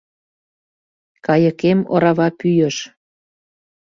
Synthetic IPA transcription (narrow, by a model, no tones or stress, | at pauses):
kɑjə̆kemo̰ɾɑβɑpyjə̆ʃ